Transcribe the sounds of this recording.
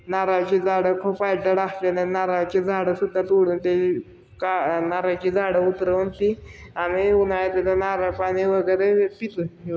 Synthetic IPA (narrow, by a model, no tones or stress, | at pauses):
naɾat͡ɕid͡zaɽəkʰopajʈəɽaɦt̪enenaɾat͡ɕid͡zʱaɽəsud̪ʱːat̪uɽunt̪e | kanaɾat͡ɕid͡zʱaɽəut̪ɾəunt̪ianiunajet̪et̪anaɾapaɽiʋəɡəɾepit̪ə